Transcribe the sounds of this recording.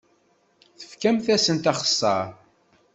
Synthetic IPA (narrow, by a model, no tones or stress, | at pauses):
θə̥fkæmθæsənt̪ɑχə̥sːɑ̰ɾ